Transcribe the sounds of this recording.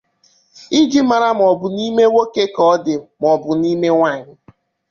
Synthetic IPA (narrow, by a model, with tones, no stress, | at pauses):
i˦d͡ʒi˦ma˨ɾa˦m̩˨ɔ˨bʊ˨ni˦me˦wo˦ke˦kɔ˦dɪ˨m˨ɔ˨bʊ˨ni˦me˦ŋʷa˦˨ɲɪ˨